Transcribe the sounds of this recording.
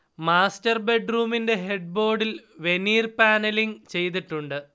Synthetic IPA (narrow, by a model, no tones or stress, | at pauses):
maːstɐrbe̞ɖruːminde̞ɦe̞ɖ̚bo̞ːɽilʋe̞niːrpaːnɐliŋt͡ɕe̞jt̪̬iʈːuɳɖɨ